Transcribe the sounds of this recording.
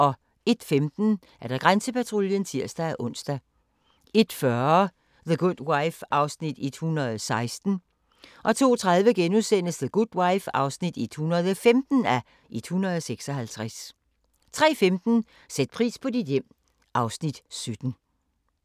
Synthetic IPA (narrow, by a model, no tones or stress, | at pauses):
ʔɒ̽ | e̝d̥femd̥n̩ | æɐd̥ɑ̈ɡ̥ʁansəpæt͡sʰʁoljənt͡sʰiɐ̰sd̥ææʔɔ̽n̰sd̥æ | e̝d̥fɶɐ | ðəɡ̥ud̥waɪfʔɑ̈ʊsnid̥ed̥hunɐð̞̩ˠsɑ̈ɪsd̥n̩ | ʔɒ̽t͡sʰo̝̰ːt͡sʰʁaðˠʋəɡ̥enusen̰əsðəɡ̥ud̥wäɪfɑ̈ʊsnid̥e̝d̥hunɐð̞̩ˠɒfemd̥n̩æ | ʔe̝d̥hunɐð̞ˠseɡ̥sɒ̽ɦælt͡sʰʁas | t͡sʰʁɛ̰ːfemd̥n̩ | sed̥̚pʰʁḭːspʰɒ̽d̥id̥jem̰ | ʔɑ̈ʊsnid̥sød̥n̩